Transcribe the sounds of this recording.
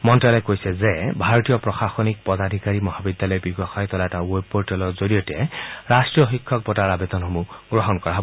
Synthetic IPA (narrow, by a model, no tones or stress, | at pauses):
mɔntɹalɔjkojsɛzɛbʱaɹɔtijɔpɹɔxaxɔnik̚pɔd̪adʱikaɹimɔhabidjalɔjbiɡɔxajt̪ɔlaɛtawopːoɹtɛlɔzoɹijɔtɛɹastɹijɔxikʰːɔk̚bɔtaɹabed̪ɔnxomuɡɹɔɦɔnkɔɹaɦɔb